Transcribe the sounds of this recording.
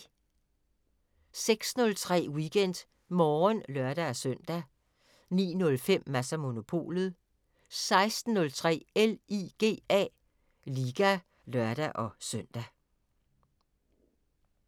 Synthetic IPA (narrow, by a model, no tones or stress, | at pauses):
seɡ̥snɔ̽lt͡sʰʁɛ̰ːwiɡ̥en̰d̥ | mɒːnlɶɐɾ̥æɒsøn̰d̥æ | nḭːnɔ̽lfem̰ːæsæmo̝no̝pʰo̝̰ːlð̩ˠ | sɑ̈ɪsd̥n̩ːɔ̽lt͡sʰʁɛ̰ːeliɡ̥e̝̰ːɛ̰ː | liːɡ̥æ | lœɐɾ̥æʔɒ̽søn̰d̥æ